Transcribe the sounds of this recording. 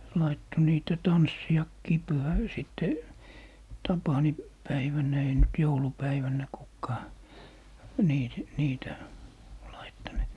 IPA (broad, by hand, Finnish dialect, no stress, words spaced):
lɑitːo niːtæ tɑnsːij̆ɑkːiː pyhæ siˑtːe tɑpɑni pæiʋænˑæ ei nyt joulupæiʋænˑæ kukːɑː niː niːtæ lɑitːɑnut